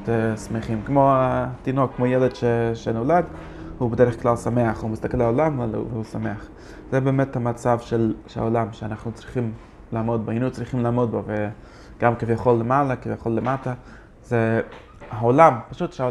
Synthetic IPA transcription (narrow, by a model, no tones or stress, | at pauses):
tɛsmeχimkmoatinokːmojɛlɛdʃeʃɛnɔlad | hubədɛɾəχklalsameaχhumɪst̪akɛlaɔlamvvusameaχ | z̥ɛbɛːmɛthamat͡sav̥ʃɛlʃa̰olamʃɛanaχnut͡sɾiχim | laːmod̚boinut͡sɾiχimlaːmodbove | ɡ̥amkɪvjaχolːəmalakivjaχolːəmata | zɛ | aolampaʃutʃa